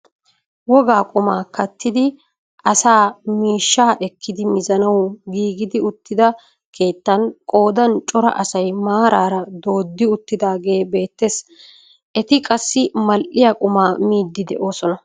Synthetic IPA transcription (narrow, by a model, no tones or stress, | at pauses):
wɔɡaːkʼʊmaːkɐt̪ːɪd̪ɪ | ʔɐsaːmiːʃːaːʔɛkːɪd̪ɪmɪzɐnɐwɡiːɡɪd̪ɪʊt̪ːɪd̪ɐ | kʰe̞ːt̪ːɐnkʼo̞ːd̪ɐnt͡ʃʼɔɾɐ̰ʔɐsɐjmaːɾaːɾɐd̪o̞ːd̪ːɪʊt̪ːɪd̪aːɡe̞ːbe̞ːt̪ːe̞ːs | ʔɛt̪ɪkʼɐsːɪmɐlʔɪjakʼʊmaːmiːd̪ːɪd̪ɛ̰ʔo̞ːsɔnɐ